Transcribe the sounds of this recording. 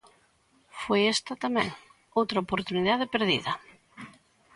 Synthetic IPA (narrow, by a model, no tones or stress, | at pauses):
fojɛst̪ɐt̪amɛ̰̃ŋ | owt̪ɾaopoɾt̪uniðaðɪpeɾðḭðɐ